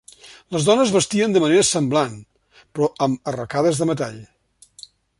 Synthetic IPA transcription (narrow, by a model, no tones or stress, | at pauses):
ləzðɔnəzβəst̪iənd̪əməneɾəsəmblan | pɾɔʔəmərəkaðəzðəmət̪aʎ